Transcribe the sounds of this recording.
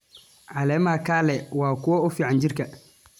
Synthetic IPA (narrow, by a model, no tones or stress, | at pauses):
ʕalɛmaːkaːlɛwaːkʊwɔʊfiʕand͡ʒiɾkɐ